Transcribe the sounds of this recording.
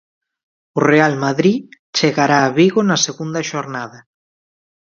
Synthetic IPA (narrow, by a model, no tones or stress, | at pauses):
ʊrealmaðɾi | t͡ʃeɣaɾaːβiɣonaseɣund̪ɐʃoɾnaðɐ